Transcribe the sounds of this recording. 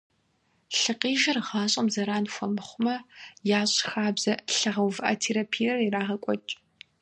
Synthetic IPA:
ɬɨqiːʒɐrʁaːɕʼɐmzɐɾaːnxʷɔmɨχʷʊmɐjaːɕʼxaːbz̥ɐɬɐʁɐwvɨʔɐ̰tʰeːɾapʰijɐriraːʁɐkʷʼɔt͡ʃʼ

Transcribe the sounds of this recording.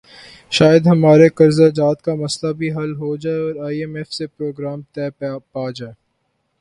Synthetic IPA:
ʃaːjəd̪ɦɐmaːɾekɐɾzad͡ʒaːt̪kamɐslabʱiɦɐlɦod͡ʒaːeɔːɾaːiɛmɛːfsepɾoːɡɾaːmt̪ɛːpaːd͡ʒaːe

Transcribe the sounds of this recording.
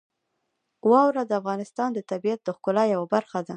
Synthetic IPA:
wɑwɾad̪əafɣɑnɪst̪ɑnd̪ət̪abijat̪̚d̪əxkʊlɑjawabaɾxad̪a

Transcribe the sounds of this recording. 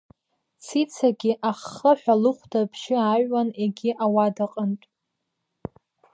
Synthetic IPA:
t͡sʰit͡sʰaɡʲɪʔaχːəħʷᶣalɨχʷdʰapʰʃɪaɥwaneɡʲɪʔawadaqʼəntʼ

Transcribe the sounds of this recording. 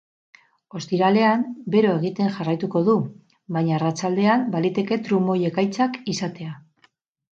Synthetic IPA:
o̞st̪iɾale̞ambe̞ɾo̞e̞ɣ̞it̪e̞ŋʝarajt̪uko̞ðu | bajɲaːrat͡ʃald̪e̞ambalit̪e̞ke̞t̪ɾumo̞je̞kajt͡sakisat̪e̞a

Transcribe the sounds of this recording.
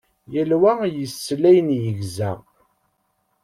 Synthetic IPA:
jəlwæjəsːlæjnjəʝzæ̰

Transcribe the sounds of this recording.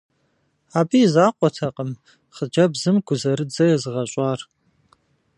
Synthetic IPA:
aːbizaːqʷʼɔtʰɐqʼəm | χəd͡ʒɐbzɨmɡʷʊzɐɾɨd͡zɐjɛzɨʁɐɕʷʼɑːr

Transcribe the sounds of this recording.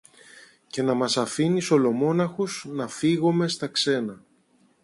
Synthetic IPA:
ce̞nɐmɐsɐfiniso̞lo̞mo̞nɐxuz̥nɐfiɣome̞st̪ɐkse̞nɐ

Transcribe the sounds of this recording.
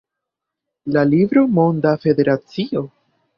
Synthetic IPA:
lalivɾo̞mo̞nd̪afe̞d̪e̞ɾat͡sio̞

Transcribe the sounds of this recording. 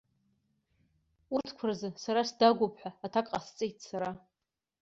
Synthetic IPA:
urtʰkʷʰarzɨsaɾasdaɡʷʊpʰʼħʷᶣaːtʰakʼast͡sʼejtʼsaɾa

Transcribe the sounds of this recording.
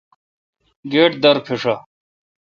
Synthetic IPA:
ɡeːʈ̚d̪ɐɾpʰeʂa

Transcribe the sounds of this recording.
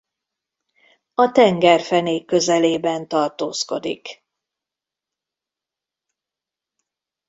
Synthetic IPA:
ɒt̪ɛŋɡɛrfɛneːkːøzɛleːbɛnt̪ɒrt̪oːsko̞d̪ḭk

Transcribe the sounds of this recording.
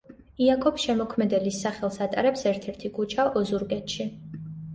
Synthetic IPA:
iakʰɔpsʃɛmɔkʰmɛd̪ɛlisːaχɛlˠsat̪ʼa̰ɾɛpsɛɾt̪ʰɛɾt̪ʰikʰut͡ʃʰaʔɔzuɾɡɛt̪ʃi

